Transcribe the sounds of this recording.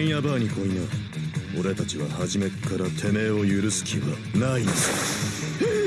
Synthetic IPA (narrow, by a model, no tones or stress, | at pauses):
ɰ̃jabaːɲ̟iko̞ina | o̞ɾe̞t̪at͡ɕiβahaʑime̞kaɾat̪ʰe̞me̞o̞jɯ̟ɾɯ̟sɨ̥kʲʰiβa̰ | nains